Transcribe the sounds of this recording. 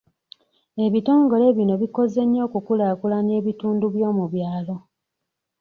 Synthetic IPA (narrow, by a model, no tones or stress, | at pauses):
e̞βito̞ːŋɡo̞le̞βino̞βiko̞ze̞ɲːo̞ːkukulaːkulane̞ːβituːnduβjo̞ːmuβjaːlo̞